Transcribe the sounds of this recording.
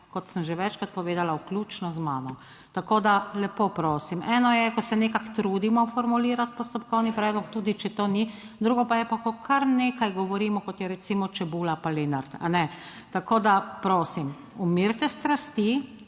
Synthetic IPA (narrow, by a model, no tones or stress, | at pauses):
kɔt̪səmʒeʋɛt͡ʃkat̪pɔʋeːd̪alawklʲjuːt͡ʃnɔzmaːnɔ | t̪akoːd̪alɛpopɾoːsimɛːnɔjɛkɔsɛnekakt̪ɾuːd̪imɔfɔɾmuliːɾat̪pɔst̪ɔpkɔwnipɾɛːd̪lɔkt̪uːd̪it͡ʃɛt̪oːni | d̪ɾuːɡɔpajɛpakɔkʰaɾneːkajɡɔʋɔɾiːmɔkɔt̪jɛɾɛt̪siːmɔt͡ʃɛbuːlapalenaɾt̪a̰nɛ | t̪akoːd̪apɾoːsim | umiɾt̪ɛst̪ɾast̪i